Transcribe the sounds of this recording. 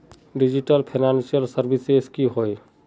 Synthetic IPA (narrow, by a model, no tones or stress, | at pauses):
ɖid͡ʒiʈəlpʰinansijəlsəɾbiseskiɦoj